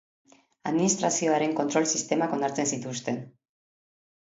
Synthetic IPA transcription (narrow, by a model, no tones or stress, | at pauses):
aðminist̪ɾasio̞aɾe̞ŋkont̪ɾo̞lsist̪e̞makonaɾt͡se̞nsit̪ust̪e̞n